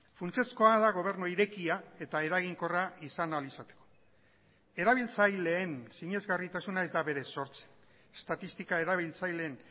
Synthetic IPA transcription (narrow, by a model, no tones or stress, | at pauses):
funt͡se̞sko̞aðaɣ̞o̞β̞e̞ɾnuiɾe̞kiae̞t̪ae̞ɾaɣiŋko̞raisanalisat̪e̥ko̞̥ | e̞ɾaβ̞ilt͡sajle̞ːnsiɲe̞zɣarit̪asunae̞zd̪aβe̞ɾe̞so̞ɾt͡se̥ | e̥st̪at̪ist̪ikae̞ɾaβ̞ilt͡sajle̞ːn